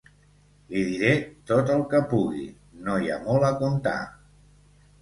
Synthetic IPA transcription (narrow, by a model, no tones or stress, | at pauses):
liðiɾet̪ot̪əlˠkəpuɣ̞ḭ | noja̰mɔləkunt̪a̰